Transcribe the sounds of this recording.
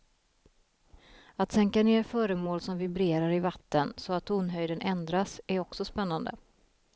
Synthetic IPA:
at̪sɛŋkaneːɾfœːɾəmoːlsɔmvɪbɾeːɾaɾɪvat̪ːənsɔat̪ʰːuːnɦœjd̪ənʔɛnd̪ɾasæɾɔksɔspɛnːand̪ə̰

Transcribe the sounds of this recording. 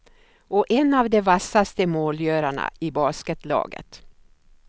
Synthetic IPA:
ɔʔɛnavd̪ɛvasːast̪əmoːljœːɾaɳa̰ɪbɑːskət̪lɑ̰ːɡə̰t̪

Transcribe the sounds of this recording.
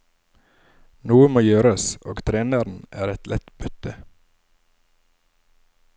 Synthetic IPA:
nuːəmoːjøːɾəsʔo̰ːɡt̪ʰɾeːnəɾn̩æ̰ːɾɛt̪lʔɛt̪b̥ʏt̪ə

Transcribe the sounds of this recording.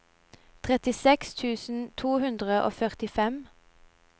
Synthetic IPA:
t̪ʰʁɛt̪ɪsɛkst̪ʰʉːsn̩t̪ʰuːhʉnd̪ʁəʔo̰ːfœʁt̪ɪfɛm

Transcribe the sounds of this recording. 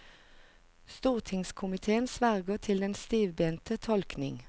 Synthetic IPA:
st̪uːʁt̪ʰɪŋskʰʊmɪt̪ʰeːənsʋæʁɡəʁt̪ʰɪld̪ɛnst̪iːʋbeːnt̪ət̪ʰɔlknɪ̰ŋ

